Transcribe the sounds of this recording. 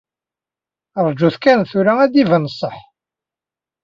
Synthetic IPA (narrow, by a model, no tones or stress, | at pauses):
əɾˤd͡ʒuθkænθuɾææd̪ivənəsˤːəħ